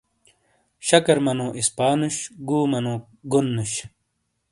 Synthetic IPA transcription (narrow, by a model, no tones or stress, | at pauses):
ɕɐkɐɾmɐnõːʔispaːnuɕɡuːmɐnõː | ɡunːuɕ